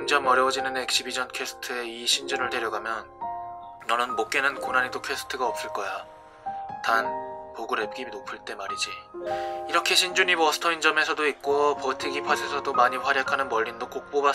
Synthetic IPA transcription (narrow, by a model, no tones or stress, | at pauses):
ɯnd͡ʑamʌɾjʌwd͡ʑinɯnek̚ɕ͈ibid͡ʑʌnkʰe̞sʰɯ̥tʰɯe̞iɕʰind͡ʑunɯɭde̞ɾjʌɡamjʌnː | ʌnɯnmok͈̚e̞nɯnkonanedokʰe̞s͈ʰɯ̥tʰɯɡaʌp̚s͈ɯɭk͈ʌja | tanpoɡuɾe̞p̚k͈inopʰɯɭt͈e̞maɾid͡ʑi | iɾʌkʰe̞ɕʰind͡ʑuɲibʌsʰɯ̥tʰʌind͡ʑʌme̞sʰʌdoik̚k͈opʌtʰiɡipʰasʰesʰʌdomaɲiɸwaɾjakʰanɯnmʌʎːindok͈ok̚p͈oba